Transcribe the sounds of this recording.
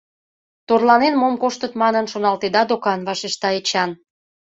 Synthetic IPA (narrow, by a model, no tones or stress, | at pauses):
t̪orlɑnenmomkoʃt̪ət̪mɑnənʃonɑlt̪ed̪ɑd̪okɑnβɑʃeʃt̪ɑet͡ɕɑn